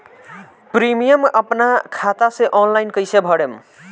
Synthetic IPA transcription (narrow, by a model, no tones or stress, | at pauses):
pɾimijəməpnakʰat̪asẽʔɔnlajnkəjsebʱəɽem